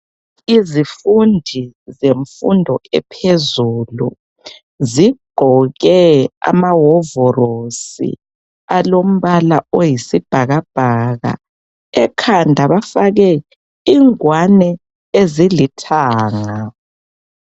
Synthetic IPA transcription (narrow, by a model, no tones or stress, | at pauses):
izifundʱizeɱfundʱɔɛpʰezuːlu | ziɡ͡ǃʱɔɣɛa̰maɦɔvɔrosḭ | alom̩βalaojisib̥ʱaɣab̥ʱaɣa̰ | ɛkʰandʱaβafaɣɛ | iŋwanɛ | ezilitʰaːŋa